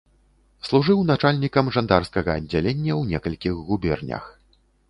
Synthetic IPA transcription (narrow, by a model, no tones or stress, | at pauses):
slˠuʐɨwnat͡ʂalʲnʲikɐmʐand̪arskɐɣɐːd͡zʲːalʲenʲːɐwnʲɛkɐlʲkʲiɣɣubʲɛrnʲɐ̰x